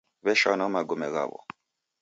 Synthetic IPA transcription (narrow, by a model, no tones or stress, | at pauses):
βɛʃanɔmaɡomɛɣa̰βɔ̰